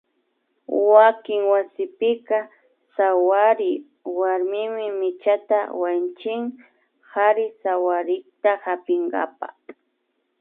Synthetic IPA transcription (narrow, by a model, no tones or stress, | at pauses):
wakɪŋwasɪpɪka | sawaɾɪ | waɾmɪmɪmɪt͡ʃat̪a̰want͡ʃɪŋ | haɾɪsawaɾɪkt̪ahapɪŋɡa̰pa̰